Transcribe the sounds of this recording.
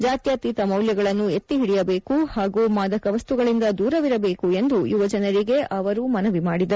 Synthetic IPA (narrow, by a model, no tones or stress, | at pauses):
d͡ʒaːt̪jaːt̪iːt̪ɐmɐwljɐɡɐɭɐnːue̞t̪ːiɦiɽijɐbe̞ːkuhaːɡuːmaːd̪ɐkɐʋɐst̪uɡɐɭind̪ɐd̪uːɾɐʋiɾɐbe̞ːkue̞nd̪ujuʋɐd͡ʒɐnɐɾiɡe̞ʔɐʋɐɾumɐnɐʋimaːɽid̪ɐɾu